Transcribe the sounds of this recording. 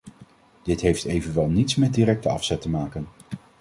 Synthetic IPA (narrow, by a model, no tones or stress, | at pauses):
d̥ɪtɦejftejvənʋɛlˠnitsmɛt̚dirɛk̚təɑ̰fsɛtəmaːkən